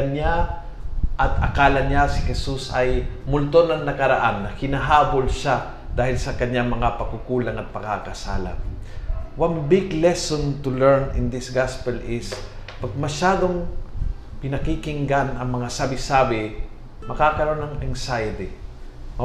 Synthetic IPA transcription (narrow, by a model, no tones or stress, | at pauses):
ɐɲa | ʔɐt̪ɐ̰kaːlɐɲasɪhɛsusɐjmʊlt̪onɐŋnɐkɐɾɐʔanːɐhɪnaɦaːbo̞lʃa | d̪̥aːhɪlsɐkɐɲaŋmɐŋapɐkukuːlɐŋɐt̪̚pɐkakɐsa̰ːla̰ | wanbɪɡlɛsont̪ʊlɛɹnɪ̰nd̪ɪsɡaspɛlʔɪs | pɐɡ̚mɐʃaːd̪oŋ | pɪnɐkikɪŋɡanɐŋmɐŋasaːbɪsaːbɪ | mɐkakɐɾoo̞nɐŋɛŋsajɪt̪i